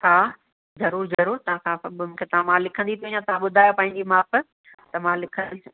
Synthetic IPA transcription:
ɦaː | zɐɾuːɾzɐɾoːɾt̪ɐʋ̤ãkʰãmũːkʰet̪ɐʋ̤ãmãlɪkʰə̃nd̪it̪ʰoĩjãt̪ɐʋ̤ãɓʊd̪ʱaːjopãːɦɪ̃ɲd͡ʑimaːfɪ̆ | t̪ɐmãlɪkʰə̃

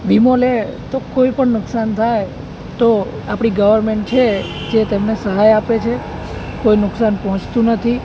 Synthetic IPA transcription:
ʋimolet̪okoipəɳnʊksant̪ʰaj | t̪o | apɽ̃iɡəʋəɾmeɳʈ̚t͡ʃʰed͡ʒet̪emnesəɦajapet͡ʃʰe | koinʊksanpɔɦɔ̃t͡ʃt̪ũnət̪ʰi

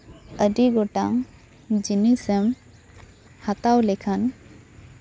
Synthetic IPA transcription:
əɖiɡɔʈaŋ | d͡ʒinisɛm | hat̪awlɛkʰan

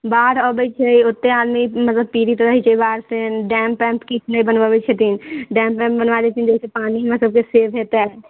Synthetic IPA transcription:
baːɾɔːbəit͡ʃʰaiʊt̪ːẽaːd̪mimɐt̪ləbpiːɾit̪oɾəɦit͡ʃaːibaːɾseɖɛːmpɛ̃ːmpkɪt͡ʃʰneibənʋabət͡ʃʰet̪iːnɖɛ̃ːmpːɛ̃ːmpbənʋaːd̪et͡ʃ̪iːnd͡ʒekʰepaːniɦmɐt̪ləb̚keseːʋɦeːt̪e

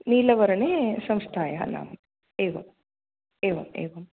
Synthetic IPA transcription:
niːlɐʋɐɾɐneːsɐmst̪ʰaːjaɐ̰na̰ːm | eːʋɐ̰m | eːʋɐmḛːʋɐm

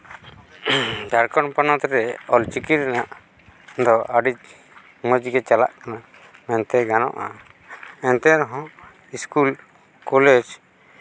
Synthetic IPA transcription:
d̪aɾkɔnpɔnɔt̪ɾɛɔlt͡ʃikiɾɛnaʔ | d̪ɔʔaɖit͡ʃ | məd͡ʒɡɛt͡ʃala̰ʔkana | mɛnt̪ɛɡanɔ̰ʔa̰ | ɛnt̪ɛɾɔɦɔ̃ | iskul | kɔled͡ʒ

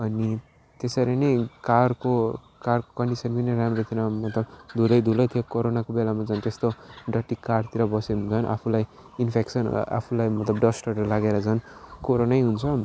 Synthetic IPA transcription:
ʌni | t̪esaɾinʌjkarko | karko̥kʌɳɖisʌnpinʌramrot̪ʰiɾʌmʌt̪lʌbd̪ʱulʌjd̪ʱulʌjt̪ʰiokoɾonakobelamat͡sʌnt̪est̪oɖʌʈːikaɖt̪iɾʌbʌsed͡zʰʌnʔa̰pʰulaj | inpʰeksʌna̰pʰulajmʌt̪lʌbɖʌsʈʌɾʌlaɡeɾʌt͡sʰʌnkoɾonajɦunt͡sʰʌ

